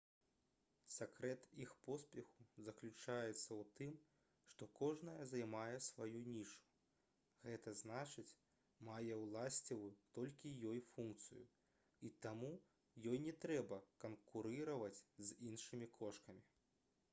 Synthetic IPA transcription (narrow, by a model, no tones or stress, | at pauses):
sʲakɾɛt̪ixpɔspʲɛxu̥zɐklʲut͡ʂajɛt̪sːɐwt̪ɨm | ʂt̪ɔkɔʐnɐjɐzajmajɛsvajunʲiʂu̥ | ɣɛt̪ɐznat͡ʂɨt͡sʲ | majɛwlˠasʲt͡sʲiwut̪ɔlʲkʲijɔjfunkt̪sɨ̰jṵ | it̪amu | jɔjnʲɛt̪ɾɛbɐkɐnkuɾɨɾɐvɐt͡sʲzinʂɨmʲikʰɔʂkɐmʲi